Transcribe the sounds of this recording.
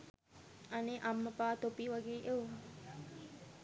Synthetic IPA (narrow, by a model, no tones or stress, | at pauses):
aneʔamːəpaːt̪opiʋaɡeːʔew